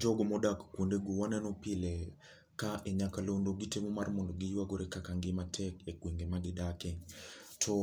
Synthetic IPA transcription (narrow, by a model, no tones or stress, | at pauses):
d͡ʒɔɡɔmɔdakkwondeɡowanɛnɔpɪlɛ | kaʔɛɲakalondoɡitemɔmarmɔndɔɡɪjwaɡoɾekakaŋɡɪmatʰɛkekwiŋɡemaɡɪdakɛɲtʰɔ